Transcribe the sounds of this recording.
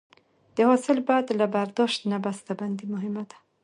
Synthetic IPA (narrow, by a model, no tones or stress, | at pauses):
d̪̥əhɔsɪlbajad̪labaɾd̪ɔʃt̪nabast̪aband̪imʊɦɪmad̪ḁ